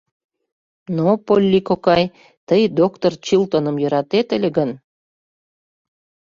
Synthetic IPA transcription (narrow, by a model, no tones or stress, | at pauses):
nopolʲːikokɑj | t̪əjd̪okt̪ort͡ɕilt̪onəmjøɾɑt̪et̪ə̆lʲeɣən